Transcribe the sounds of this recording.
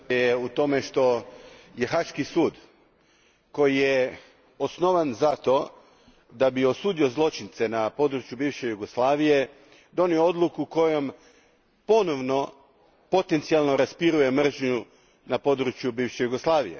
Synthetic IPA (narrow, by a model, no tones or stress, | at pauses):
jeut̪o̞me̞ʃt̪o̞je̞xaʃkisuːd̪ | ko̞jije | osno̞ʋanzat̪o̞ | d̪abio̞suːd̪io̞zlˠo̞t͡ʃint̪se̞napo̞d̪ɾut͡ʃjubiːʋʃe̞juɡo̞slaːʋije̞ | d̪o̞niood̪lˠukuko̞jo̞m | po̞noʋno̞ | po̞t̪e̞nt̪sialˠno̞ɾaspiɾuje̞mr̩ʒɲu | napo̞d̪ɾut͡ʃjubiːʋʃejuɡoslˠaːʋḭjḛ